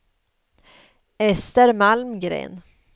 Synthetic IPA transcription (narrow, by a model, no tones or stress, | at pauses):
ɛst̪əɾmalmɡɾḛːn